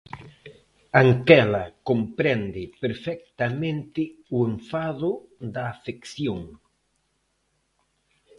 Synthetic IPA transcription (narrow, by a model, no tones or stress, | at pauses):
aŋkɛlɐkompɾɛnd̪ɪpeɾfɛk̚t̪amẽnt̪ɪueɱfaðʊd̪ɐːfekθjoŋ